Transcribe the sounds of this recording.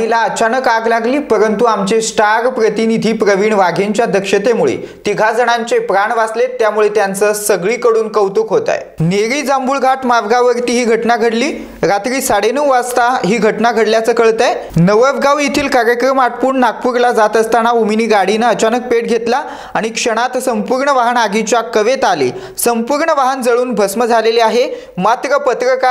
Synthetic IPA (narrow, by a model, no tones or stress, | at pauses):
ilaət͡ɕanəkaɡlaɡliːpəɾənt̪uamt͡ɕesʈaɾpɾət̪inid̪ʱiːpɾəʋiːɳʋaɡʱeɲt͡ɕjad̪əkʂət̪emuɭḛ | t̪iɡʱad͡zəɽ̃aɲt͡sepɾaɳʋaslet̪jamuɭet̪jant͡səsəɡɭiːkəɽuːnkəwt̪ukɦot̪a̰j | neɾiːd͡zambuɭɡʱaʈmaʋɡaʋəɾt̪iːɦiːɡʱəʈnaɡʱəɽliː | ɾat̪ɾiːsaɽenəwast̪aɦiːɡʱəʈnaɡʱəɽljat͡səːkəɭt̪ajnəʋəʋɡaʋit̪ʰiːlkaɾjəkɾəmaʈpuːɳnak̚puɾlad͡zat̪əst̪añauminiːɡaɽ̤inaət͡ɕanək̚peɽ̚ɡʱet̪la | aɽ̃ikʂəɽ̃at̪səmpuɾɳəʋaɦənaɡit͡ɕjakəʋet̪alḭː | səmpuɾɳəʋaɦənd͡zəɭuːnbʱəsməd͡zʱaleliaɦe | mat̪ɾəpət̪ɾəka